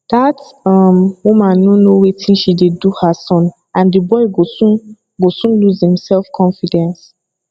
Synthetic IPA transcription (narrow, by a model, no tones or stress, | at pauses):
d̥atɔmwumãnːonowetʰĩnʃideduhasɔ̃n | ãndəbɔɪɡosũn | ɡosũnluzhĩmsɛlfkʰɔ̃nfidɛ̃ns